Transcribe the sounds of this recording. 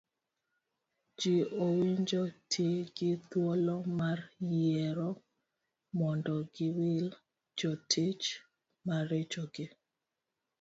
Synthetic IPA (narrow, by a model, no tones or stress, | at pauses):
d͡ʒiowiɲd͡ʒotʰiɡɪt̪wɔlɔmarjɛɾɔ | mɔndɔɡɪwɪl | d͡ʒɔtʰit͡ʃ | maɾed͡ʒoɡɪ